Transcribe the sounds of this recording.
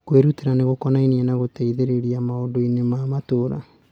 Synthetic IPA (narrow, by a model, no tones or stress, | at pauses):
kweɾuteɾaneɣokɔnainiɛnaɣoteiðeɾeɾiamaodoinemamatoɾa̰